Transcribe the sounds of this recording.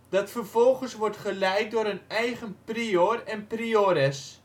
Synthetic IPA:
d̥ɑtfərvɔlˠχənsʋɔrtχəlɛjk̚doːɾənɛjɣənprioːrɛnprioːɾɛs

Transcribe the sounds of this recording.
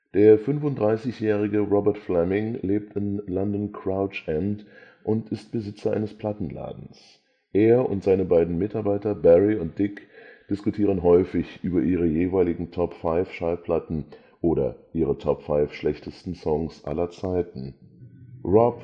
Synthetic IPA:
d̥eːɐfʏnfʊntdʁaɪsɪçjɛːʁ̞ɪɡəʁɔbɛɐtflɛmɪŋleːp̚tɪnlɔndɔnkʰʁ̥aʊt͡ʃʔɛnd | ʔʊntɪst̚b̥əzɪt͡sɐʔa̰ɪnəspʰl̥atn̩la̰ːdn̩s | ʔeːɐʊ̰ntz̥aɪnəbaɪdn̩mɪtaɐbaɪtɐbɛʁiʊnt̚d̥ɪkd̥ɪskutʰiːʁənɦɔʏfɪçʔyːbɐʔiːʁ̞əjeːvaɪlɪɡŋ̩tʰɔpfaɪfʃaɪpʰl̥atn̩ | ʔoːɾɐ̰ʔiːʁətʰɔpfaɪfʃlɛçtʰəstn̩sɔŋsʔa̰lɐt͡saɪtn̩ | ʁɔ

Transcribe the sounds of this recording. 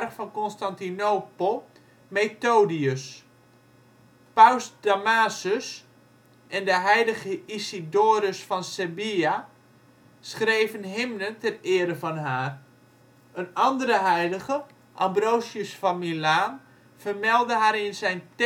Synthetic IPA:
rkfɔnkonstantinoːplˠ | meːtoːdiəs | pawsdamaːsəs | ɛndəɦɛjləɣəisidoːɾəsfɔnsebia | sχrejvənɦɪmnəntɛnɪəɾəvɔnɦaːr | ənɑndəɾəɦɛjləɣə | ʔambrowsjəsfamilaːn | fərmɛlˠdəɦaːɾɪnzɛjnt

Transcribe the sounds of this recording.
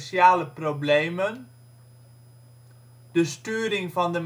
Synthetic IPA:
sjaːləproblejmən | d̥əstyːɾɪŋvɑndəm

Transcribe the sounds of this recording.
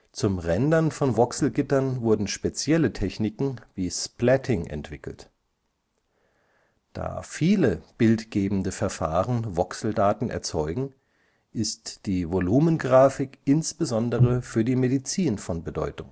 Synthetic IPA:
t͡sʊmʁɛndɐnfɔnvɔksl̩ɡɪtɐnvʊɐdn̩ʃpet͡sjɛlətʰɛçnɪkŋ̩viːsplɛtʰɪŋʔɛ̰ntv̥ɪkl̩t | d̥a̰ːfiːləb̥ɪltɡ̥eːbm̩dəfɛɐfa̰ːʁənvɔksl̩daːtn̩ʔɛ̰ɐt͡sɔʏɡŋ̩ | ʔɪstd̥iːvoluːmənɡʁaːfɪkʔɪnsb̥əzɔndəʁəfyːɐdiːmedit͡siːnfɔnbədɔ̰ʏtʊŋ

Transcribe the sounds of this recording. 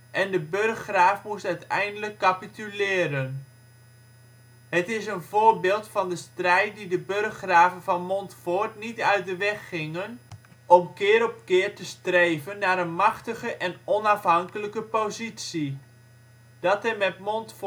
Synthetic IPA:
ʔɛndəbørχraːfmustœɥtɛjndələkːapitylɪːɾən | ɦətɪsənvʊːɹbɪːlˠtfɑndəstrɛjt̚didəbørχraːvənvɑnmɔntfʊɹtnitœɥt̚dəʋɛχːɪŋən | ʔɔmkɪːɾɔpkɪːrtəstrejvənːaːɾənmɑχtəχəʔɛnɔnɑfɦɑŋkələkəpozitsi | d̥ɑtɛmɛtmɔntf

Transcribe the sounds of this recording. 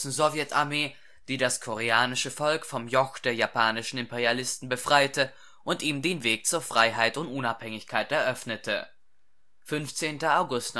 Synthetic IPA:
sn̩zovjɛtaɐmeː | d̥iːdaskʰoʁeaːnɪʃəfɔlkfɔmjɔxd̥eːɐjapʰaːnɪʃn̩ɪmpeʁjalɪstn̩bəfʁ̥aɪtə | ʔʊntʔiːmdeːnveːk̚t͡suːɐfʁ̥aɪɦaɪtʊntʔʊnaphɛŋɪçkʰaɪtɛɐʔœfnətʰə̰ | fʏnft͡seːntɐaʊɡʊst

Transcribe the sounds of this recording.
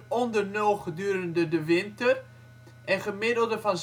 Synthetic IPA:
ɔndərnølˠχədyːəɾəndədəʋɪntər | ʔɛnχəmɪdəl̩ˠdəfɔnz

